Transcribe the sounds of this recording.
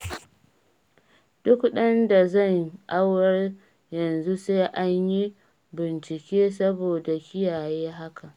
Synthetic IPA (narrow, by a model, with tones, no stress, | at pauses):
d̥ʊ˦kɗɐ˦nda˨zɐ˦˨ŋʔa˦wɐ˦r | jɐ˨nzu˦se˦ʔa˦ɲji˦ | bɪ˨nt͡ʃɪ˨kʲeː˦s̬ɐ˦boː˨da˨kʲɪ˦jaː˨jeː˦ɦa˦kʰa˨ʔ